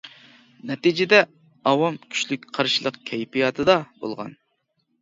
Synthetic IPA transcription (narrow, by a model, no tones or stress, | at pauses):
nɛt̪id͡ʒɪd̪ɛ | ɑwɑmkʲʰy̥t͡ʃlyk̚ʲqʰɑɾʃilˠəqkʲʰɛjpijɑt̪ʰɨd̪ɑbo̰lˠʁɑ̰n